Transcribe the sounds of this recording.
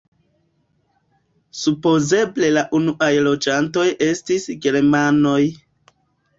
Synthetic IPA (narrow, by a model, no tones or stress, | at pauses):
supo̞ze̞ble̞laʔunuʔajlo̞d͡ʒanto̞je̞stisɡe̞ɾmano̞j